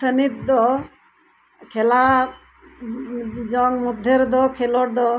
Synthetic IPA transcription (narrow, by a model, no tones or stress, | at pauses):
ʈʰənit̪̚d̪ɔ | kʰɛla | d͡ʒɔŋmud̪ʱeɾd̪ɔkʰelɔʈ̚d̪ɔ